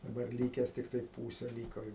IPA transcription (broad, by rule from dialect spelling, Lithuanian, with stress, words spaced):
dɐˈbɐr ˈlʲiːkʲɛs tʲɪkˈtɐɪ ˈpuːsʲɛ ˈlʲiːkoː jɛʊ